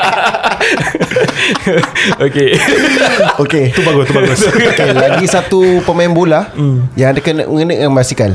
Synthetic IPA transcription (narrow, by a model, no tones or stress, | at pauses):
oke | oket̪ubaɡʊst̪ubaɡʊsokelaɡisat̪upəmaɛnbolajaŋadakənə̰ʔəŋənəʔŋanbasikal